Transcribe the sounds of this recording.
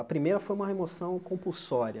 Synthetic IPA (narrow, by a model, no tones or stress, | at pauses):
ɐpɾimejɾɐfojũmɐɦemosɐ̃w̃kõpuwsɔɾiɐ